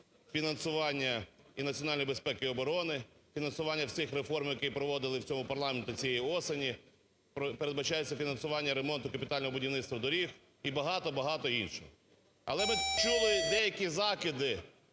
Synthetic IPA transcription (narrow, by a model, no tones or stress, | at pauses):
fʲinɐnsʊʋɑnʲːɐinɐt͡sʲiɔnɑlʲnjbespɛkɪiɔbɔɾɔnɪfʲinɐnsʊʋɑnʲːɐwsʲɪxɾefɔrmjɐkɪpɾɔʋɔd̪ɪlˠɪwt͡sʲɔmʊpɐrlˠɑment̪ʊt͡sʲijɛjiɔsenʲi | pɔpeɾed̪bɐt͡ʃɑjɛt͡sʲːɐfʲinɐnsʊʋɑnʲːɐɾemɔnt̪ʊkɐpʲɪt̪ɑlʲnɔɦɔbʊdʲiwnɪt̪st̪ʋɐd̪ɔɾʲix | ibɐɦɑt̪ɔbɐɦɑt̪ɔinʃɔ̰ɦɔ | ɐ̰lˠɛmɪt͡ʃulˠɪd̪ɛjɐkʲizɑkɪd̪ɪ